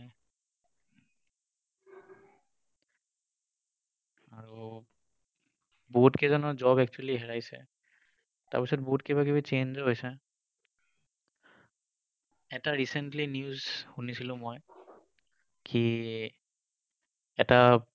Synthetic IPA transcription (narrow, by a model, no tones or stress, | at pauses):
aɹu | botkɛzɔnɔzɔbɛk̚t͡ʃualiɦɛɹajsɛ̰ | ta̰ɹpisɔt̚botkɛbakibit͡ʃend͡ʒɔɦojsɛ | ɛtaɹisɛntlinjuzhunisilʊ̃moj | kʰi | ɛta